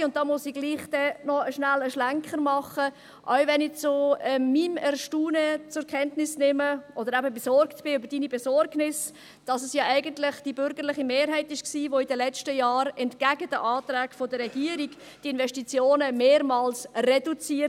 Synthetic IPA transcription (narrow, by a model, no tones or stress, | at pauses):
ʊnt̚d̥ɑːmʊsiɡ̥liːχd̥ɛnɔəʃnæləʃlæŋkχəɾmɑχə | ʔaʊvɛnɪt͡soɛːimɛɾʃtuːnət͡sʊɾkʰɛntnɪsnɪməʔɔdəɾæbəbɛsɔɾktb̥ɪʏbəɾd̥iːnibɛsɔɾɡnɪs | d̥ɑsəsjɑːʔæɪɡəntlɪχd̥ibʏɾɡəɾlɪχimeːɾɦɛɪtɪʃksiːvoidəlɛt͡ʃtəjɑːɾɛntkæɡəd̥əʔɑːt̪ɾæːɡ̥fodəɾːɛɡiəɾiɡ | d̥ɪnvɛʃtit͡sjoːnəmeːɾmɑːlsrɛdut͡siːə